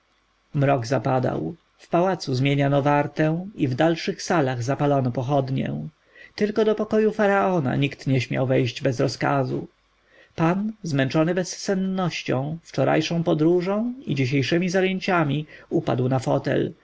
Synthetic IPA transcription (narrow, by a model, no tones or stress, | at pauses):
mɾɔɡzapad̪a̰w | fpawat̪suzmʲjeɲanɔvaɾt̪ɛ̃w̃ivd̪alʂɘxsalaɣzapalɔnɔpɔxɔd̪ɲɛ̰ | t̪ɘlkɔd̪ɔpɔkɔjufaɾaɔna̰ɲikt̪ɲɛɕmʲja̰wvɛjʑd͡ʑbɛzɾɔska̰zṵ | panzmɛnt͡ʂɔnɘbɛssɛnːɔɕt͡ɕɔ̰̃w̃ft͡ʂɔɾa̰jʂɔ̃w̃pɔd̪ɾuʐɔ̃w̃id͡ʑiɕ̬ejʂɛmʲizajeɲt͡ɕamʲiupa̰d̪wnafɔt̪ɛ̰l